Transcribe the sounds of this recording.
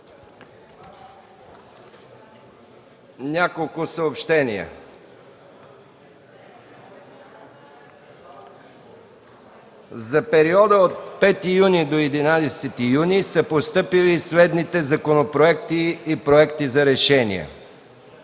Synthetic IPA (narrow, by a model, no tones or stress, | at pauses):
nʲakolˠkʊsəopʃt̪ɛnḭə̰ | zɐpɛɾiɔd̪əot̪̚pɛt̪ijunid̪oɛd̪inad̪ɛsɛt̪ijunisəpost̪ɤpilislɛd̪nit̪ɛzɐkonopɾoɛkt̪iːpɾoɛkt̪izɐɾɛʃɛnḭɛ̰